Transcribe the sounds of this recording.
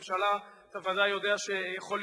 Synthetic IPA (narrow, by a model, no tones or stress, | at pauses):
ʃalaat̪avadajo̞d̪eaʃejaχo̞l